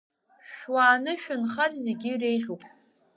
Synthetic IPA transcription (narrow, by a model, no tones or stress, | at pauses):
ʃᶣwaːnɨʃᶣʊnχarzeɡʲirejɮupʼ